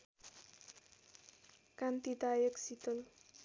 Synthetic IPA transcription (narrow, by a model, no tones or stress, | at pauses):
kant̪id̪ajəksit̪əl